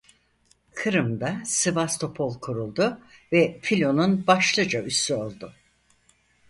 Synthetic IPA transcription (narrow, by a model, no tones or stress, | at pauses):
kʰɯɾɯmd̪asɯvast̪ʰo̞pʰo̞lˠkʰuɾulˠd̪ʊvɛfilʲo̞nunbaʃlˠɯd͡ʒaysyo̞lˠd̪ʊ